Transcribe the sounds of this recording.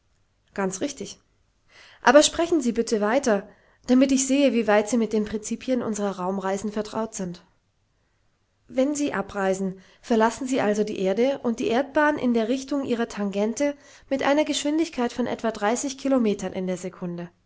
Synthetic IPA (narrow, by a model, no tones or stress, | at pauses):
ɡ̥ant͡sʁɪçtɪç | ʔa̰ːbɐʃpʁ̥ɛçn̩ziːbɪtʰəvaɪtɐ | d̥amɪtɪçz̥eːəviːvaɪtz̥iːmɪt̚d̥eːnpʁ̥ɪnt͡siːpʰjənʔʊ̰nzəʁɐʁaʊmʁaɪzn̩fɛɐtʁ̥a̰ʊtz̥ɪnt | vɛnziːʔa̰pʁaɪzn̩ | fɛɐlasn̩ziːʔalzodḭːʔeːɐdəʔʊnt̚d̥iːʔeːɐt̚b̥aːnʔɪ̰ndeːɐʁɪçtʊŋʔiːʁ̞ɐtʰaŋɡɛntə | mɪtʔa̰ɪnɐɡəʃv̥ɪndɪçkʰaɪtfɔnʔɛ̰tv̥aːdʁaɪsɪçkʰilomeːtʰɐnʔɪ̰ndeːɐzekʰʊndə